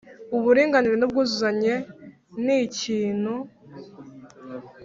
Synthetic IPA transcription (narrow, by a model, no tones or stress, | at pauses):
uβuɾiːŋɡaniɾenub̚ɡuːzuzaɲe̞ | niːciːn̥hu